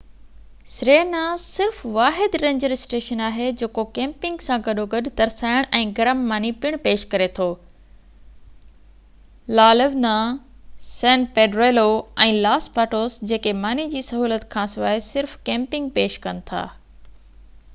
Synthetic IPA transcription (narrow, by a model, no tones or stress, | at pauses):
sɾeːnasɪɾfʋaːɦɪd̪ɾẽːɲd͡ʑəɾɪsʈeːʃənaːɦed͡ʑeːkokɛ̃ːmpɪ̃ŋɡsãɡɐɗoɡɐɗt̪ɐɾsaːɪɽ̃ʔɛ̃ːɡɐɾəmːaːnipɪɽ̃peːʃkɐɾet̪ʰoː | laːləʋna | sɛ̃ːnpeːɖɾeːloɛ̃ːlaːspaːʈoːsd͡ʑeːkemaːnid͡ʑiːsɐɦuːlət̪kʰãːsɪʋaːɪsɪɾfkɛ̃ːmpɪ̃ŋɡ̚peːʃkɐnɪ̆t̪ʰa̰ː